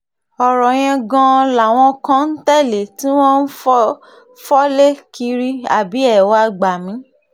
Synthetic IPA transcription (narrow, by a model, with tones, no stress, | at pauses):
ɔ˨ɾɔ˨j̃ɛ̃˧ɡã˧la˨w̃ɔ̃˧kã˦n̩˦tɛ˦˨le˨tĩ˦w̃ɔ̃˦n̩˦f | fɔ˦le˦ki˧ɾi˧a˨bi˨˦ɛ˦˨wa˧ɡ͡ba˨mĩ˨˦